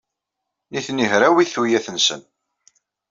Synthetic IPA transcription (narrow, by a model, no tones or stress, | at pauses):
niθniɦɾæwiθujæθənsə̰n